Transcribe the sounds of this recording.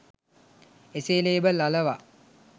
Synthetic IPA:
eseːleːbəlaləʋa

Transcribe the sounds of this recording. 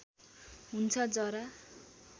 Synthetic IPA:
ɦunt͡sʰʌd͡zʌɾa

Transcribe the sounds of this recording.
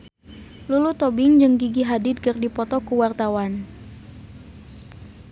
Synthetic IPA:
lulut̪ɔbɪŋd͡ʒɨŋɡiɡiɦadɪd̪̚kɨrdipɔt̪ɔkuwart̪awan

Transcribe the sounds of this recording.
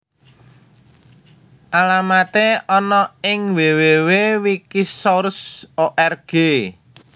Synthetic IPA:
ʔalamat̪eɔnɔɪŋwewewewikisɔɾsoʔɛrɡ̥e

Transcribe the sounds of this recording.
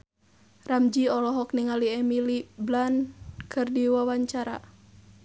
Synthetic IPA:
ramd͡ʒiɔlɔɦɔk̚niŋaliɛmiliblankʰɨrdiwawaɲt͡ʃaɾa̰

